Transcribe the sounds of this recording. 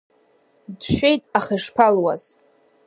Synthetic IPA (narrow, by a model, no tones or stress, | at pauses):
dʃᶣejtʼaχeʂpʰalwaz̥